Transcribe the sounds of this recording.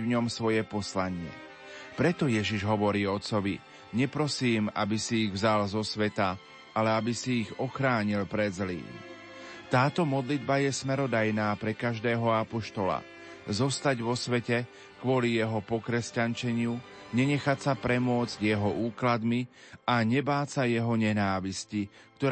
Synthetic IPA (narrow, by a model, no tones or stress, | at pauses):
vɲɔmsʋɔjɛpɔslaɲɪɛ̰ | pɾɛt̪ɔjɛʒiʒɦɔʋɔɾiːɔt̪sɔʋi | ɲɛpɾɔsiːma̰bisiːɣvzalzɔsʋɛt̪a | alɛabisiːɣɔxɾaːɲilpɾɛzlḭːm | t̪aːt̪ɔmɔd̪lid̪bajɛsmɛɾɔd̪ajnaːpɾɛkaʒd̪ɛːɦɔapɔʃt̪ɔla̰ | zɔst̪aɟʋɔsʋɛcɛ | kʋʊɔlijɛɦɔpɔkɾɛscant͡ʃɛɲɪu | ɲɛɲɛxasapɾɛmʊɔd͡zɟjɛɦɔʔuːklad̪miaɲɛbaːt͡sajɛɦɔɲɛnaːʋiscik̚t̪ɔ